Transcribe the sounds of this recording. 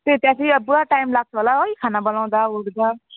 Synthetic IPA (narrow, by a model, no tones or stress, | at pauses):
t̪et̪jãsʰiʌbuaʈajmlaɡ̚t͡sʰʌɦolaojkʰanabʌlaw̃dauɡd͡za